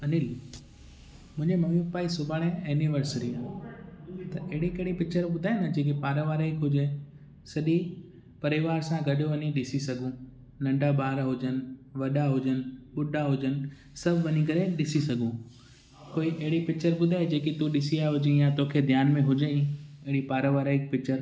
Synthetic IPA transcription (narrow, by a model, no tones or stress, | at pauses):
ɐnɪl | mʊ̃ɪ̃ɲd͡ʑemɐmuk̚paːisʊbʱaːɽ̃ẽɛːniʋəɾsɾiaː | t̪ɐʔɐɦɪɽikɐɦɪɽipɪk̚t͡ɕəɾɓʊd̪ʱaːɪnɐd͡ʑeːk̬ipaːɾəʋaːɾekɦʊd͡ʑe | sɐɗi | pɐɾɪʋaːɾsãɡɐɗoʋɐniɗɪsisɐɡʱũ | nɐ̃ɳɖʱaɓaːɾɦʊd͡ʑənɪ̆ʋɐɗaɦʊd͡ʑənɪ̆ɓʊɗaɦʊd͡ʑənɪ̆ | sɐbʱʋɐɲikɐɾeɗɪsisɐɡʱũ | koːiʔɐɦɪɽipɪk̚t͡ɕəɾɓʊd̪ʱaːed͡ʑeːkit̪ũɗɪsiaːɦʊd͡ʑeĩjat̪oːkʰed̪ʱjaːnmẽɦʊd͡ʑeĩɐɦɪɽipaːɾəʋaːɾaːɪk̚pɪk̚t͡ɕəɾ